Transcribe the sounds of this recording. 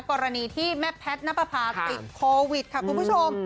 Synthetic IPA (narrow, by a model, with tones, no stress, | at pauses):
kɔː˧ɾa˧niː˧t̪ʰiː˥˩mɛ˦˥pʰːɛ˦˥t̪̚na˦˥pːa˧pʰaː˧˩t̪i˨˩t̪̚kʰoː˧wi˨˩t̪̚kʰa˥˩ku˧npʰu˥˩t͡ɕʰo˧m